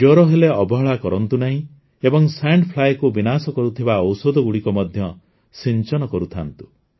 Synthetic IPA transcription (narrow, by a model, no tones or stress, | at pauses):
d͡ʒoɾɔɦeleɔbɔɦɔɭakɔɾɔnt̪unaɦĩ | ebɔŋsaɳɖpʰlajkubinasɔkɔɾut̪ʰibaɔwsod̪ɔɡuɽikɔmɔd̪ʱjɔ | sint͡ʃɔnɔkɔɾut̪ʰa̰nt̪u̥